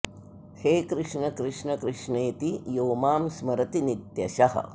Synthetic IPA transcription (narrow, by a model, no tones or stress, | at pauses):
heːkɾɪʂɳɐkɾɪʂɳɐkɾɪʂɳeːt̪ijoːmaːmsmɐɾɐt̪init̪jɐʃɐɦɐ̰